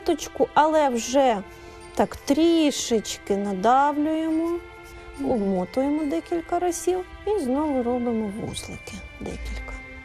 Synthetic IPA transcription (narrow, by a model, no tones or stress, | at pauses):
t̪ɔt͡ʃkʊʔɐlˠɛwʒɛ | t̪ɑkt̪ɾʲiʃɪt͡ʃkɪned̪ɑwlʲʊjemɔ | ɔmɔt̪ʊjemɔd̪ɛkʲilʲkɐɾɔsʲiwiznɔʋʊɾɔbɪmɔʋṵslˠɪ̰kɪd̪ɛ̰kʲilʲkɐ